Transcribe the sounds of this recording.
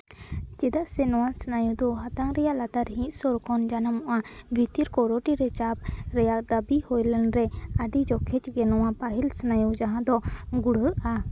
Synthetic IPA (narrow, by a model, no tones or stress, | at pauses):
t͡ʃɛd̪aʔsɛnɔwasnajud̪ɔɦat̪aŋɾɛjaʔlat̪aɾɦĩʔ̪sɔɾkʰɔnd͡ʒanamɔʔabʱit̪iɾkɔɾoʈiɾɛt͡ʃap̚ɾɛjak̚d̪abihojlɛnɾɛaɖid͡ʒɔkʰɛt͡ʃɡɛnɔwapaɦilsnajud͡ʒaɦãd̪ɔɡuɽəʔa